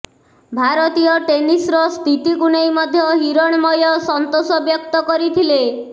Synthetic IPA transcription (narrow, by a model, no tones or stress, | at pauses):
bʱaɾɔt̪ijɔʈenisɾɔst̪ʰit̪ikunejmɔd̪ʱjɔɦiɾɔɽ̃mɔjɔsɔnt̪osɔbjɔk̚t̪ɔkɔɾit̪ʰile